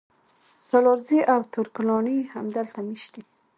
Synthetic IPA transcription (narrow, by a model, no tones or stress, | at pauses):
salɑɾziʔawt̪ʰʊɾkʊlɑɳihamd̪əlt̪amiʃd̪i